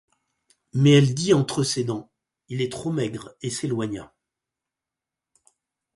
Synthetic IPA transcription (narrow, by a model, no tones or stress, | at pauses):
mɛɛld̪iɑ̃t̪χəsed̪ɑ̃ | ilɛt̪χomɛɡʁeselwaɲa̰